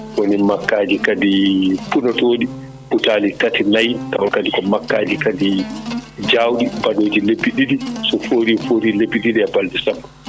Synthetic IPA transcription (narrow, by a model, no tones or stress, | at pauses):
wonimakːaːd͡ʒikadipunɔtoːɗi | putaːlitatinajtawakaɗikɔmakːaːd͡ʒikadi | d͡ʒawɗibaɗoːd͡ʒilebːiɗiɗisɔfoɾifoːɾilebiɗiɗiɛbaldisabːa